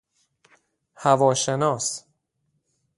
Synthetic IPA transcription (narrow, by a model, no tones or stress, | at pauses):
hævɒːʃenɒːs